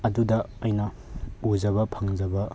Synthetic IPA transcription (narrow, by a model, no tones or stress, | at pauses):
ɐdudɐːjnɐ | ud͡ʒɐβɐpʰɐŋd͡ʒɐbɐ